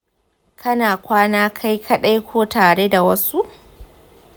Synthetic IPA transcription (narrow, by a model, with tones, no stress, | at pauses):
kʰɐ˦naː˨kʷaː˦naː˦kʰa˦jkʰɐ˦ɗa˦jkʷʰoː˦taː˨ɽeː˦da˨wɐ˦su˦ʔ